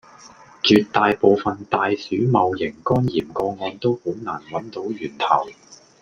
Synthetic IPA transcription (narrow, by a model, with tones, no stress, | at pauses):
t͡ʃyː˨˧t̚t̪ːaː˨jpo˨wfɐ˨nt̪aː˨˧jsyː˨˥mɐ˨wjɪ˨˩ŋkɔː˥njiː˨˩mkɔː˧ŋɔː˨˧nt̪o˥who˨˥wnaː˨˩nwɐ˨˥nt̪o˨˥wjyː˨˩nt̪ʰɐ̰˨˩w